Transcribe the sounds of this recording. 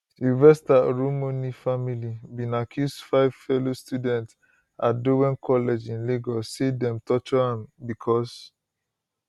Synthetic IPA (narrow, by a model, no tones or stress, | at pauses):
ivɛstaɹumonifamilibĩnakʰjusdfaɪv̥fɛlostjudɛ̃nts | adowɛ̃nkʰɔlɛd͡ʒĩnleɡɔsedɛ̃mtɔt͡ʃɔãmbikʰɔs